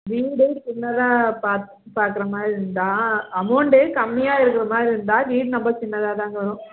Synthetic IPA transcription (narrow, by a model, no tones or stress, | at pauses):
ʋiːɽeʈt͡ʃɪnːɐðãːpaːɾt̪ | paːɾkɪɾɐmaːɾɪɾɯnd̪aːɐmɐːɳɖekɐmːɪjaːɪɾɯk̬ːɪɾɐmaːɾɪɾɯnd̪aːʋiːɽnɐmbɐt͡ʃɪnːɐðaːt̪ãːŋɡɐʋɐɾʊ̃